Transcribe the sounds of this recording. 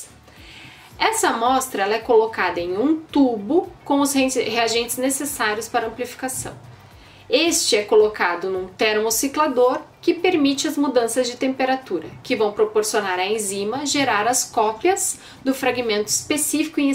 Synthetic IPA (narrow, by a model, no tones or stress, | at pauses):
ɛsɐmɔst̪ɾɐɛlɐɛkolokad̪ɐẽj̃ũt̪ubʊkõw̃ʊzheaʒẽnt͡ʃɪznesesaɾjʊspaɾɐɐ̃mplifi̥kasɐ̰̃w̃ | est͡ʃɪɛkolokad̪ʊnũt̪eɾmosiklad̪oɾkɪpeɾmit͡ʃɪɐzmud̪ɐ̃sɐzd͡ʒɪt̪ẽmpeɾat̪uɾɐ̰kɪvɐ̃w̃pɾopoɾsionaɾɐẽzĩmɐʒeɾaɾɐskɔpjɐz | d̪ʊfɾaɡimẽnt̪ʊispesifi̥kʊĩ